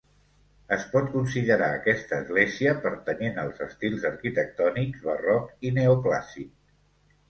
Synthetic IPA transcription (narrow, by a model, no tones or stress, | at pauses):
əspɔt̪̚kunsiðəɾaəkɛst̪əːzɣleziəpəɾt̪ənenəlˠzəst̪ilˠzəɾkit̪ək̚t̪ɔniɡzβərɔkineopla̰sik̚